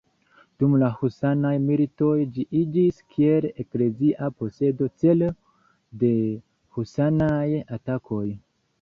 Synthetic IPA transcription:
d̥umlahusanajmilito̞jd͡ʒiʔid͡ʒiskʰie̞lekle̞ziʔapo̞se̞do̞t͡se̞l | de̞ | husanajatakʰo̞j

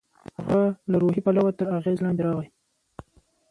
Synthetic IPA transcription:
xalaɾoɦipalawat̪əɾaɣezlɑnd̪eɾɑɣaj

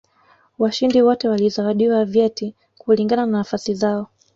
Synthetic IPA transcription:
waʃindiwɔtɛwalizawaɗiwavjɛti | kuliŋɡanananafasizaɔ

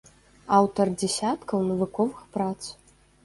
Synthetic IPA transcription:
awt̪ɐrd͡zʲɛsʲat̪kɐwnɐvukɔvɨxpɾat̪s

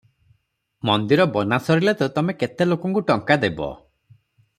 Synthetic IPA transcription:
mɔnd̪iɾɔbɔnasɔɾilet̪et̪ɔmeket̪elokɔŋkuʈɔŋkad̪ebɔ̰

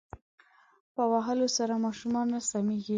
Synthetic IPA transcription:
pəwaɦəlosaɾamɑʃumɑnasameɡi

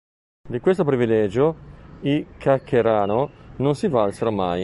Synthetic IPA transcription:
d̪ikwest̪opɾivilɛd͡ʒoikʰːakʰːeɾaːnononsivalseɾomaj

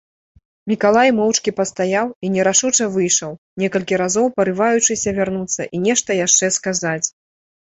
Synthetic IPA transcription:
mʲikalˠajmɔwt͡ʂkʲipɐst̪ajawinʲɛɾaʂut͡ʂɐvɨjʂɐw | nʲɛkɐlʲkʲiɾazɔwpɐɾɨvajut͡ʂɨsʲɐvʲarnut̪sːɐ̰ʔinʲɛʂt̪ɐjaʂt͡ʂɛskazat͡sʲ

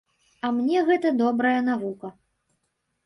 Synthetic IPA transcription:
ɐmnʲɛɣɛt̪ɐd̪ɔbɾɐjɐnavukɐ

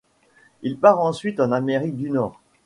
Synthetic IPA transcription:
ilpaʁɑ̃sɥit̪ɑ̃nameʁik̚d̪ynɔːʁ

